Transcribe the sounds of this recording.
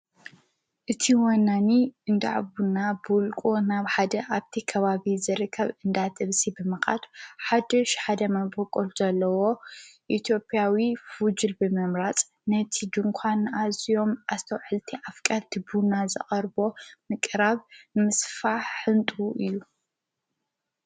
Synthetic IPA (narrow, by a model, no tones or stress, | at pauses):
ʔɨt̪ʰiwɐnːaniɨnd̪a̰ʕbunːabɨlkʼunaβħad̪ɐʔaβt̪ʰikʰɐβaβizɨɾɨkʰːɐβɨnd̪at̪ʰʼɨβsibɨmɨxa̰t̪ħad̪ɐʃħad̪ɐmabokʼoluzɐlːɐwo̞ʔit̪ʰjo̞pʼjawifud͡ʒɨlbɨmɨmɾat͡sʼ | nɐt̪ʰid̪ɨŋkʷʰanazijo̞mʔast̪ʰɐwʕɨlt̪ʰiʔafkʼɐlt̪ʰibunːazɨχʼɐɾbo̞mɨkʼɾaβɨmɨsfaħħɨnt̪ʼuʔɨjːu